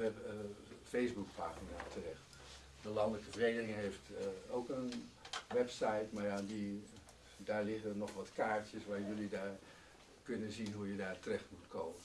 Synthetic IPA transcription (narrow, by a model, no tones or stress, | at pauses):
ɛ | fejzbukpaːxinatʰərɛxt | dəlɑndələkəfərɣejdərɪŋɦejftowkənʋɛpsajtmaɹjadi | daːɹlɪχənɔχʋɔtkaːɹtjəsʋaːɹjɵlidaːɹ | kʏnənzinɦujədaːɹtərɛxtmutkʰoːmən